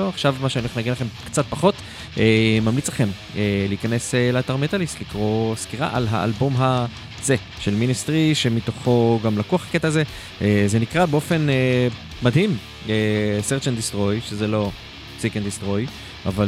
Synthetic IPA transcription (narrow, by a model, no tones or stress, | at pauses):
oaχʃavmaʃeanionaɡenlaχe̞mkt͡sat̪̚paχo̞t̪ | emamlit͡slaχe̞m | eleikane̞seleaːtaʁmet̪alislikʁo̞skiʁa̰ʔa̰lɦa̰ʔa̰lbo̞mɦa | z̥e̞ | ʃe̞lminist̪ʁiʃe̞mit̪o̞χo̞ɡamlakuaχaket̪aːze̞ | eze̞nikʁabeo̞fe̞neː | ad̪him | eseʁt͡ʃend̪istʁo̞jʃezelo̞ | t͡sikend̪istʁo̞j | a̰va